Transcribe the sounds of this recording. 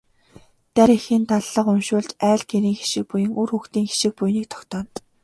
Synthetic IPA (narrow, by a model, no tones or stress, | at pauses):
t̪æɾexĭːnt̪aɮːə̆qʊmʃʊːɮt͡ɕæːɮkʰeɾiːŋxi̥ʃɪ̆k̚pujɘ̆ŋʔurxuxt̪iːŋxi̥ʃɪ̆k̚pujniːk̚t̪ʰɔ̥kt̪ɔːn